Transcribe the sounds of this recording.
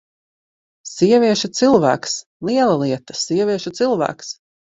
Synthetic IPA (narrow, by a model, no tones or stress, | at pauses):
siɛvʲiɛʃut̪silˠvæ̰ːks | lˠiɛlˠalˠiɛt̪ḁsiɛvʲiɛʃut̪silˠvæ̰ːks